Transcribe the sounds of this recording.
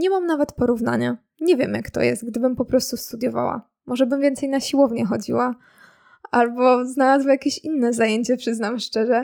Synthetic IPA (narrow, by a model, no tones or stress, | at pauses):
ɲɛmamnavɛt̪pɔɾuvna̰ɲa | ɲɛvʲjɛmjakt̪ɔ̰jɛ̰st̪̚ɡd̪ɘbɘmpɔpɾɔst̪ust̪ud̪jɔva̰wa̰ | mɔʐɛbɘmvʲjɛnt̪sɛjnaɕiwɔvɲɛxɔd͡ʑiwa | albɔznalazwɛjakʲeɕinːɛzajeɲt͡ɕɛpʂɘznamʂt͡ʂɛʐɛ